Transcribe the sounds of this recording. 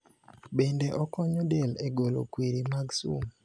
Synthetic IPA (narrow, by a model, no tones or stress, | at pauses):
bendeʔɔkɔɲɔdeleɡolo̰kwiɾimaɡsṵm